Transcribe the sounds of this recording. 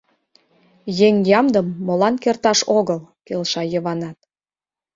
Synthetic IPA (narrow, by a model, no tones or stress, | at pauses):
jeŋjɑmd̪əmːolɑnkert̪ɑʃoɣəlkelʃɑjəβɑnɑt̪̚